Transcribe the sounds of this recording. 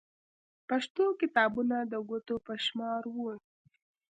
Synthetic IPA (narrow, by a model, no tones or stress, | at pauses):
paʂt̪okɪt̪ɑbunad̪əɡot̪opəʃmɑɾwu